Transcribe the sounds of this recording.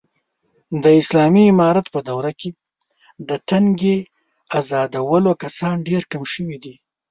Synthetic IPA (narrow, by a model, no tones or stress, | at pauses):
d̪əɪslɑmiɪmɑɾat̪pəd̪awɾake | d̪əʈ̪aŋɡe | azɑd̪awəlokasɑnɖeɾkamʃəwid̪i